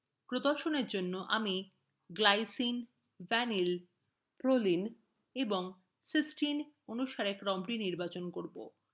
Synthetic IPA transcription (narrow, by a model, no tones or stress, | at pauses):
pɾod̪oɾʃoneɾd͡ʑonːoʔa̰mi | ɡlajsin | vɛnil | pɾolin | eboŋ | sisʈinonuʃaɾekɾɔmʈiniɾbat͡ɕonkoɾbo̰